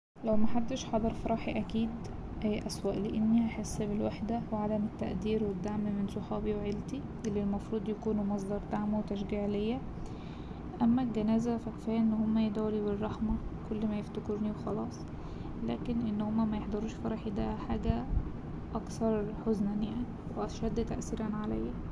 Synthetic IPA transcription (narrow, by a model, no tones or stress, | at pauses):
læwmæħaɾt̪eʃħɑd̪ˤɑɾˤfɑɾˤɑːħiʔækiːd̪ | ʔæjʔæswæːʔleʔenːiʔaħesːbelwaħd̪æweʕad̪æmet̪ːæʔd̪iːɾwed̪ːaʕmmensoħɑːbiweʕelt̪i | ʔelːilmɑfɾˤuːd̪ˤjækuːnumɑs̬ˤd̪ɑɾˤd̪aʕmwt̪æʃ̬ɡiːʕlejːæ | ʔæmːælɡænæːzæfækfæːʔenːhomːæjed̪æwliberˤːɑħmɑkolːmæjeft̪okeɾniwexɑlɑːsˤ | læːkenʔenːhomːæmæjeħd̪ˤɑɾˤuːʃfɑɾˤɑħid̪æħaːɡæ | ʔɑkθɑɾˤħoznænjaʕniweʔɑʃæd̪ːt̪æʔθiːɾænʕalæ̰jːæ